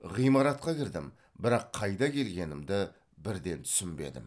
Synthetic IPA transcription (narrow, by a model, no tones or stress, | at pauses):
ʁijmɑɾɑt̪qɑkʲʰɪɾd̪ɪm | bɪɾɑqʰːɑjd̪ɑkʲʰe̞lɡʲe̞nɪmd̪ɪ | bɪɾd̪e̞nt̪ʰʏ̥sɪmbe̞̰d̪ɪ̰m